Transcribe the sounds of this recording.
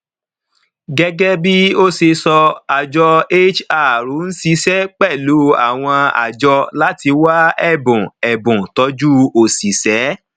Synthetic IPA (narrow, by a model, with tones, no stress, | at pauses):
ɡɛ˦ɡɛ˦bi˦o˦se˧sɔ˧a˨d͡ʒɔ˧e˦t͡ʃa˨ɾu˨˦n̩˦si˦sɛ˦k͡pɛ˦˨lu˨˦a̰˦˨w̃ɔ̃˧a̰˨d͡ʒɔ˧la˦ti˧wa˦ɛ˦˨bũ˨ɛ˨bũ˨tɔ˨˧˦d͡ʒu˦o˨si˨sɛ˨˦